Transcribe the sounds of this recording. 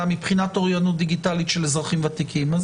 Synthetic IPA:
amipχinatoʁjanut̪̚d̪iɡitalitʃelezʁaχimvat̪ikʰimaz

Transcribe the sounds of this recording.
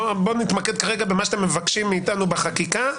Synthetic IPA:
bonit̪maked̪̚kaʁeɡabemaʃat̪emːevakʃimːiːt̪anubeχakika

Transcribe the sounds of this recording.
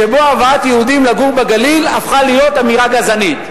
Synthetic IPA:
ʃebo̞avaat̪jeud̪imlaɡuʁbeɡalilafχalijo̞t̪amiʁaɡazanit̪

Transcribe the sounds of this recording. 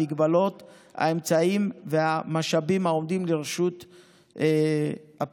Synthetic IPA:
iɡbalo̞t | a̰e̞mt͡saimveamaʃabimao̞md̪imleʁeʃut̪ | ha

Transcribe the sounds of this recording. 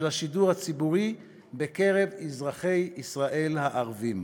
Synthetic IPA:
laʃiduʁhat͡sibuʁi | beke̞ʁe̞vizʁaχe̞jisʁaʔe̞lhaʔaʁvim

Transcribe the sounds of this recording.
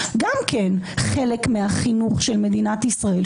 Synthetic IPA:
ɡamkʰenχe̞lekmeaχinuχʃe̞lme̞d̪inat̪isʁae̞l

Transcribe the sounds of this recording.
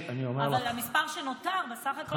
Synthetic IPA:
aniomeavalamispaʁʃenot̪aʁbesaχako

